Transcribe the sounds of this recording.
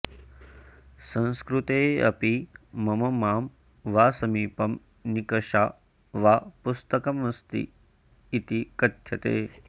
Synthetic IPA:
sɐ̃nskɾut̪eːɐ̰pimɐmɐmaːm | ʋaːsɐmiːpɐm | nikɐʃaː | ʋaːpust̪ɐkɐmɐst̪ḭː | t̪ikɐt̪ʰjɐt̪ḛː

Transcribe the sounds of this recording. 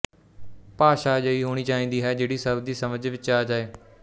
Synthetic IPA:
paːʃaːd͡ʒəiːɦoːɽ̃iːt͡ʃaːĩːnd̪iːɦɛːd͡ʒeːɽiːsəbd̪iːsəməd͡ʒʋɪt͡ʃaːd͡ʒaːeː

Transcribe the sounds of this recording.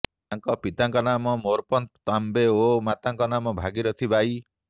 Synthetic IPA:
t̪aŋkɔpit̪aŋkɔnamɔmoɾpɔnt̪t̪ambeomat̪aŋkɔnamɔbʱaɡiɾɔt̪ʰibʱaj

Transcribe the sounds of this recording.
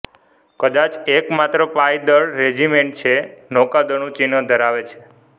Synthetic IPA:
kəd̪at͡ʃekmat̪ɾəpajd̪əɭːed͡ʒimeɳʈ̚t͡ʃʰenɔkad̪əɳ̃ũt͡ʃinəd̪ʱəɾaʋet͡ʃʰe̥

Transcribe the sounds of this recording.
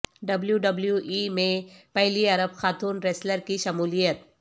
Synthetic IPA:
ɖɐbljuɖɐbljuʔimẽpɐɦliɐɾəbxaːt̪uːnɾeːsləɾkiʃɐmuːlijət̪

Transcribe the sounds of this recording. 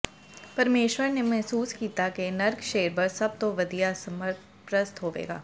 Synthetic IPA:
pɐɾmeːʃwəɾnemɛɦsuːskiːt̪akenɐɾɡʃeːɾpɐɾsɐb̚t̪oʋɐd̪ijasɐməɾt̪ʰ | pɾɐst̪ɦoːʋḛːɡa̰ː

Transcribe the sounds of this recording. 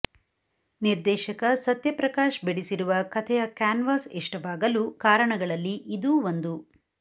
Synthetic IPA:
niɾd̪ɛːʃɐkɐsɐt̪jɐpɾɐkaːʃbeɽisiɾuʋɐkɐt̪ʰɛjɐkaːnʋaːsɛʂʈɐʋaːɡɐlukaːɾɐɳɐɡɐɭɐlːiʔid̪uːʋond̪u

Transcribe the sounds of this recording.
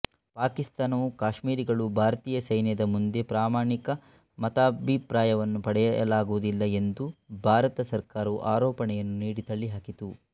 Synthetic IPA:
paːkist̪aːnɐʋukaːʃmiːɾiɡɐɭubʱaːɾɐt̪iːjɐsɐjnjɐd̪ɐmund̪e̞pɾaːmaːɳikɐ | mɐt̪aːbʱipɾaːjɐʋɐnːupɐɽɛjɐɐ̰laːɡuʋud̪ilːɐe̞nd̪ubʱaːɾɐt̪ɐsɐɾkaːɾɐuʔaːɾɔːpɐɳɛjɐnːuniːɽit̪ɐɭːiɦaːkit̪u

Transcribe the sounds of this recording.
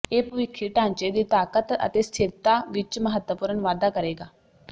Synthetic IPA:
eːpəʋɪkʰːiːʈãːɲt͡ʃeːd̪iːt̪aːkət̪ə̰t̪eːst̪ʰɪɾt̪aːʋɪt͡ʃməɦət̪əpʊːɾənʋaːd̪aːkəɾeːɡaː

